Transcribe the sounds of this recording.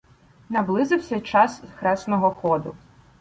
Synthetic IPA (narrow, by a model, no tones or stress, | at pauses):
nɐblˠɪzɪwsʲɐt͡ʃɑsxɾɛsnɔɦɔxɔd̪ʊ